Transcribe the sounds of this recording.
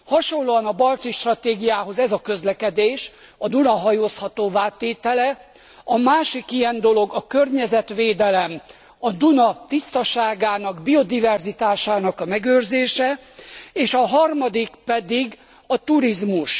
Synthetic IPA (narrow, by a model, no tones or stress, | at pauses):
hɒʃo̞lːoɒnɒbɒlt̪iʃt̪rɒt̪eːɡijaːɦo̞zɛzɒkø̞zlɛkɛd̪eːʃ | ɒd̪unɒɦɒjoːshɒt̪oːvaːt̪ːeːt̪ɛlɛ | ɒmaːʃikijɛnd̪o̞lo̞ɡɒkørɲɛzɛt̪ʋeːd̪ɛlɛm | ɒd̪unɒt̪ist̪ɒʃaːɡaːnɒɡbio̞d̪ivɛrzit̪aːʃaːnɒkɒmɛɡøːrzeːʃɛeːʃɒɦɒrmɒd̪ikpɛd̪iɡ | ɒt̪uɾizmuʃ